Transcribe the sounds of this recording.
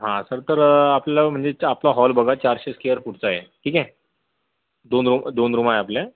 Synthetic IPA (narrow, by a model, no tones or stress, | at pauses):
ɦãsəɾt̪əɾapləm̤əɳd͡zeaplaɦɔlbəɡʱat͡ɕaɾɕeskejəɾfuʈt͡sajeʈʰiːkɛ | d̪onɾumd̪onɾumajapljã